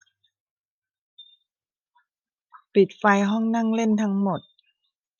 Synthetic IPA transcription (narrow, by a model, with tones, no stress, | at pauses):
pi˨˩t̪̚fa˧jɦɔ˥˩˨ŋna˥˨ŋle˥˨nt̪ʰa˧˥ŋmo˨˩t̪̚